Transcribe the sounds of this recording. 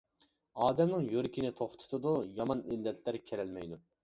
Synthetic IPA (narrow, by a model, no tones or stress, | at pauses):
ɑːd̪ɛmnɨŋjøɾkʲʰinɪt̪ʰoχt̪ʰʊ̥t̪ʰɨd̪ujɑmɑnilːɛt̪ʰlæɾkʲʰeɾɛlmɛjd̪u